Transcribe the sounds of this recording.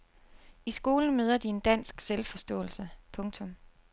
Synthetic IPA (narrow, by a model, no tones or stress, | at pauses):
isɡ̥o̝ːln̩møːð̞ˠɐd̥ie̝nd̥æn̰sɡ̥selfɒ̽sd̥ɔ̰̽ːl̩səpʰɔ̽ŋt͡sʰɔ̽m